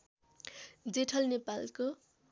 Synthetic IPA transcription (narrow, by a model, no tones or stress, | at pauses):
d͡zeʈʰʌlnepalko